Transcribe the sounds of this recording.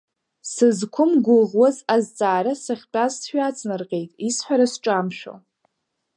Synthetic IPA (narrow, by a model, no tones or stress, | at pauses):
sɨzkʷʰʊmɡʷʊʁwazazt͡sʼaːɾasaχʲt͡pʼazsħʷᶣat͡sʼnɨrqʲʼe̞jtʼisħʷaɾasʈ͡ʂʼamʃᶣo̰